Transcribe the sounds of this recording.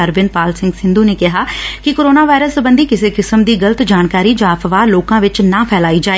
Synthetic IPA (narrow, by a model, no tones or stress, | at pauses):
əɾbɪn̚paːlsɪ̃ŋɡsɪ̃nd̪uːneːkɪɦaːkɪkoːɾoːnaːʋaːɪɾəsbə̃nd̪iːkɪseːkɪsəmd̪iːɡələt̪d͡ʒaːnkaːɾiːd͡ʒãːəfʋaːloːkãːʋɪt͡ʃnãːpʰɛːlaːiːd͡ʒaːe